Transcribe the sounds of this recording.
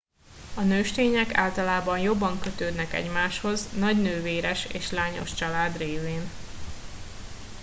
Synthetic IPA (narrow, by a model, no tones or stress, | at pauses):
ɒnøːʃt̪eːɲɛka̰ːlt̪ɒlaːbɒnjo̞bːɒŋkøt̪øːd̪nɛkɛ̰ɟmaːʃho̞znɒɟnøːveːɾɛʃḛːʃlaːɲo̞̰ʃt͡ʃɒlaːd̪reːveːn